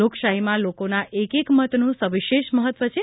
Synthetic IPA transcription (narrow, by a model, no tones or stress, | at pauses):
okʃaɦimãlokonaʔekekmət̪nũsəʋiʃeʃməɦət̪ʋət͡ʃʰe